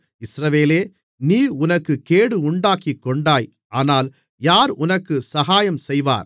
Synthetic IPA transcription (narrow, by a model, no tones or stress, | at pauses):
ɪsɾɐʋeːleː | niːʊnɐkːɯkeːɽɯʊɳɖaːkikːɔɳɖaːj | aːnaːl | jaːɾʊnɐkːɯsɐɣaːjɐmsɛjʋa̰ːɾ